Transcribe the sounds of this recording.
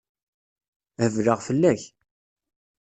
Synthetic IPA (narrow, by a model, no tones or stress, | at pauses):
həvləʁfəlːæç